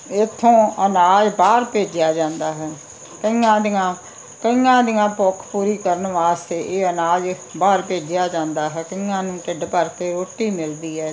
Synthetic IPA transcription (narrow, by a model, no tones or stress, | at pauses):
ɪt̪ʰːõːənaːd͡ʒbaːɾpeːd͡ʒɪjaːd͡ʒãːnd̪aːɦɛː | kəĩːãːd̪ɪãː | kəĩãːd̪ɪjãːpokʰpuːɾiːkəɾənʋaːst̪eːʔeːənaːd͡ʒbaːɾpeːd͡ʒjaːd͡ʒãːnd̪aːɦɛːkəĩːãːnũːʈɪɖpəɾt̪eːɾoːʈːiːmɪld̪iːɦɛː